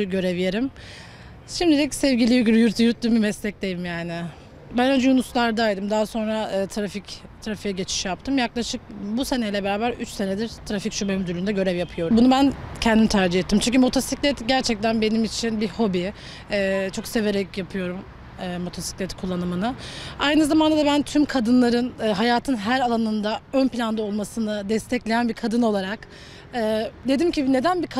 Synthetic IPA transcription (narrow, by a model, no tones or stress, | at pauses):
ɟø̞ɾevijeɾim | ʃimd̪id̪ɛcsɛvɟilʲijyɟyɾjyɾt̪ʰjyɾt̪̚d̪ymbimɛslʲɛc̚d̪ejimjaːnɪ | bænønd͡ʒɛjunuslˠaɾd̪ajd̪ɯmd̪aɦaso̞nɾaɯːt̪ʰɾafic | t̪ʰɾafijaɟe̞t͡ʃʰi̥ʃjap̚t̪ʰɯmjaklˠaʃɯk̚buse̞nejlʲɛbe̞ɾaːbæɾyt͡ʃse̞ned̪iɾt̪ʰɾaficʃybemyd̪ylʲynd̪ɛɟø̞ɾɛvjapʰɯjo̞ɾubunubæncʰɛnd̪imit̪ʰæɾd͡ʒiɦɛt̪ʰːimt͡ʃʰyɲʲcʰymo̞t̪ʰosiclʲɛt̪ɟæɾt͡ʃʰɛc̚t̪ʰænbe̞nimit͡ʃʰinbiho̞bi | ɛːt͡ʃʰo̞kse̞ve̞ɾɛcjapʰɯjo̞ɾum | ɯːmo̞t̪ʰosi̥clʲɛt̪ʰkʰulˠːanɯmɯnɯajnɯzamand̪ad̪abænt̪ʰymkʰad̪ɯnlˠaɾɯnːɦajaːt̪ʰɯnɦæɾalˠanɯnd̪aønplʲand̪ao̞lˠmasɯnɯd̪ɛst̪ʰɛclʲe̞jænbiɾkʰad̪ɯno̞lˠaɾak | ɯːd̪e̞d̪imcibne̞d̪ænbik